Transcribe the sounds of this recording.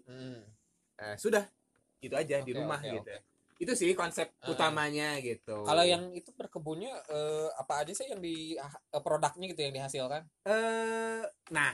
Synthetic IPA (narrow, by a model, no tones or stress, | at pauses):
m̩ | ʔəsudah | ɡit̪uad͡ʒadiɾumahɡit̪u | it̪usikɔnsɛp̚t̪ut̪amaɲaɡit̪ukalajaŋit̪ubərkəbuɲaʔəapaːd͡ʒasajaŋdiaəpɾodak̚ɲaɡit̪̬ujaŋdiɦasɪlkanə | na